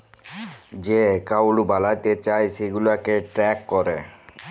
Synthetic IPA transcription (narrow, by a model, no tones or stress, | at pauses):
d͡ʑekaulubalajt̪et͡ɕajseɡulakeʈɾɛkːɔɾe